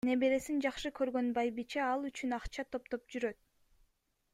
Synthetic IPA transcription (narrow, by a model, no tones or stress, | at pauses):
ne̞beɾe̞sind͡ʒɑqʃɯkø̞ɾɡø̞nbɑjbit͡ʃeɑlˠyt͡ʃynɑqt͡ʃɑt̪ʰo̞pt̪o̞p̚d͡ʒyɾøt̪̚